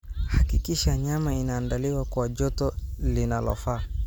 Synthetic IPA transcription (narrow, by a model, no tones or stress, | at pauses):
hakikiʃaɲamainaːndaliwakwad͡ʒɔtɔlinalɔ̰faː